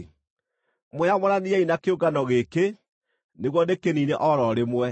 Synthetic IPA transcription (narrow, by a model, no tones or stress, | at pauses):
mojamɔɾaniɛinakeoɡanɔɣeke | neɣwɔndekeniːneʔɔɾɔɾemwɛ